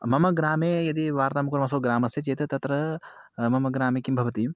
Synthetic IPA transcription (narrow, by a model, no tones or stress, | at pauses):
mɐmɐɡɾaːmejɐd̪iʋaːɾt̪aːmɐkuɾmɐsoːɡɾaːmɐset͡ʃeːt̪ɐt̪ɐt̪ɾɐ | mɐmɐɡɾaːmekimbʱɐʋɐt̪i